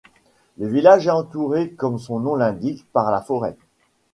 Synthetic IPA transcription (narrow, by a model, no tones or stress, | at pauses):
ləvilaʒɛɑ̃t̪uʁekɔmsɔ̃nɔ̃lɛ̃d̪ikpaʁlafɔʁɛ̰